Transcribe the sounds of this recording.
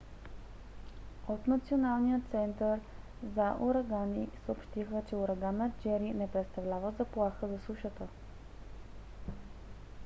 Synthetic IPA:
ot̪nɐt̪sionalˠnijət̪sɛnt̪əɾ | zaʔuɾɐɡanisəopʃt̪ixət͡ʃɛʊɾɐɡanːəd͡ʒɛɾinɛpɾɛt̪st̪ɐvlʲavəzɐplˠaxəzɐsuʃət̪ə

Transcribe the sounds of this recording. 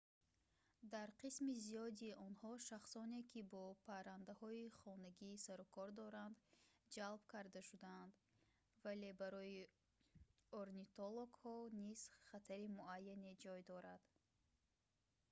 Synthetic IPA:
d̪aɾqʰismizijɔd̪iɔnhɔʃaχsɔne̞kʰibɔpʰaɾand̪ahɔiχɔnaɡiːsaɾɔkʰɔɾd̪ɔɾand̪d͡ʒalbkʰaɾd̪aʃud̪aːnd̪ | vale̞baɾɔi | oɾnit̪oloɡhɔniz̥χat̪ʰaɾimuajːane̞d͡ʒɔjd̪ɔɾad̪̥

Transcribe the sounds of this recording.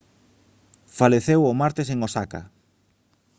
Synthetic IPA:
faleθewomaɾt̪eseŋosaka̰

